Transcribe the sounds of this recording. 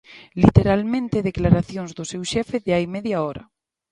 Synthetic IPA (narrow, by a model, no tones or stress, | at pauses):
lit̪eɾalmẽnt̪eðeklaɾaθjoŋzðʊsewʃɛfeðeajmɛðjaɔɾɐ̰